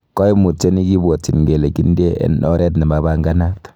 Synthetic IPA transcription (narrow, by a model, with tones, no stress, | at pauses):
kɔ˦i˦mu˨t͡ʃe˦ni˦ki˦bɔ˨t͡ʃi˨nŋɡe˨le˨ki˦nde˦ɛ̰˨nɔ˦ɾɛ˦tnɛ˨maba˦ŋɡa˦na˦t